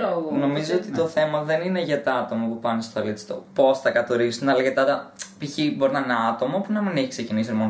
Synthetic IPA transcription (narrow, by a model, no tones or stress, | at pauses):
ono̞mizot̪it̪o̞θe̞mɐðe̞nineʝɐt̪ɐɐt̪o̞mopupɐnest̪oɐlit͡si̥t̪o̰po̞sθɐkɐt̪oɾisunɐlɐʝɐt̪ɐt̪ɐpiçibo̞ɾinɐneɐt̪o̞mopunɐmineçi̥kse̞cinisiomon